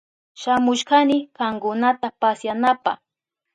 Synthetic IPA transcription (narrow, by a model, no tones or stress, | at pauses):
ʃamʊʃɢanɪkɑŋkʊnat̪apasjanapɑ̰χ